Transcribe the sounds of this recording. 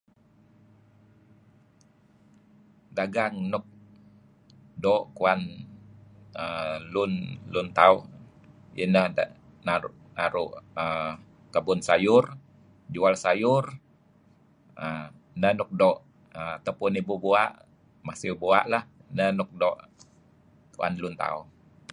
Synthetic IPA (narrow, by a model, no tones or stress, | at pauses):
daɡaŋnʊk̚ | dɔʔkuan | əlʊnlʊnt̪au | ənəh | naʔnaɾʊʔə | t̪əbʊnsajʊr | d͡ʒuwalsajʊr | ə | nənʊk̚dɔʔ | əat̪awpʊnibubuaʔ | masɪwbua̰ʔlahnənʊk̚dɔʔ | kua̰nlunt̪a̰u